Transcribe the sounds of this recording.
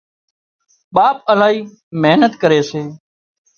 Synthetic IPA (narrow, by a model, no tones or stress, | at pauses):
ɓaːp̚əlaːɦiː | meɦnət̪kəɾeːseː